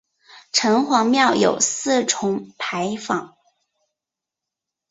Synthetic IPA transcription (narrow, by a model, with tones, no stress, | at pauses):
ʈ͡ʂʰɤ˧˥ŋxwɑ˧˥ŋmjɑ˥˩ʊjo̰˨˩ʊsɹ̩˥˩ʈ͡ʂʰʊ˧˥ŋpʰa˧˥ɪfɑ˨˩˦ŋ